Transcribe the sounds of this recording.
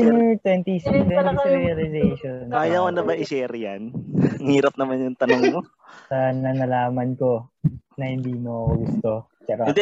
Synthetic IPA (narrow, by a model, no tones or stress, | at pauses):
mt̪wɛnt̪isɐnɾiɐlɪzejʃonajɐwɐnɐbɐʔɪsɛːɾɪja̰nɐŋhiːɾɐp̚nɐmanjʊŋt̪ɐnoŋmo | sɐnɐnɐlaːmɐnko̞nɐhɪnd̪iːmoɐkoɡʊst̪o̞ | t͡ʃɐɾɐnd̪ɛ